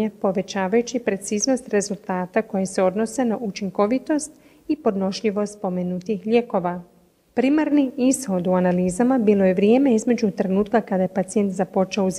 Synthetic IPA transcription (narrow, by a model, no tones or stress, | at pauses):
apo̞ʋe̞t͡ɕaːʋajut͡ɕipɾe̞t̪siːzno̞st̪ɾe̞zulˠt̪aːt̪ako̞jese̞o̞d̪no̞se̞naʔut͡ʃiŋko̞ʋit̪o̞st̪ | ipo̞d̪no̞ʃʎiʋo̞st̪po̞menut̪ixʎe̞ko̞ʋa | pɾimaɾniisho̞d̪uanaliːzamabiːlˠo̞je̞ʋɾje̞ːme̞izme̞d͡ʑut̪ɾe̞nuːt̪kakad̪aje̞pat̪sie̞nt̪zapo̞t͡ʃeouz